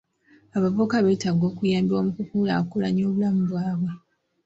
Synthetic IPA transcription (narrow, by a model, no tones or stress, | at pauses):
aβavo̞kaβe̞ːtaɡo̞ːkujaːmbiwamukukuːlakolaɲoːβulamuβwaːβwe